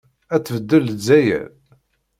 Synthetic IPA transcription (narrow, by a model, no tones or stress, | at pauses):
æt͡sːvəd̪ːəlzːæjæ̰l